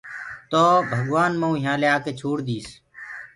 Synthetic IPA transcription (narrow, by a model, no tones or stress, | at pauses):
t̪oːbʱəɡʋaːnməũːɦjãːleːaːkeːt͡ʃʰoːɽd̪iːs